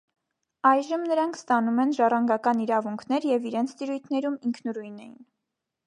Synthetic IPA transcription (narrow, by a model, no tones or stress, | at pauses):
ɑjʒəmnəɾɑŋkʰst̪ɑnumɛnʒɑrɑŋɡɑkɑniɾɑvuŋkʰnɛɾjɛviɾɛnt͡sʰt̪iɾujt̪ʰnɛɾumiŋkʰnɔɾujnɛjin